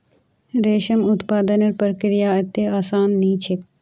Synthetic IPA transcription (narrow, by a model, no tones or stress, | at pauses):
ɾeːʃɐmʊt̪paːd̪ɐnɐɾpɐɾkɾɪjaːɐt̪eaːsaːnːiːt͡ʃʰek